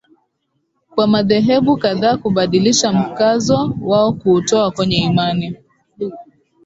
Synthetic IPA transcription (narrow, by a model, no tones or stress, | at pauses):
kwamaðɛɦɛɓukaðaːkuɓaɗiliʃam̩kazɔwaɔkuːtɔakwɛɲɛimani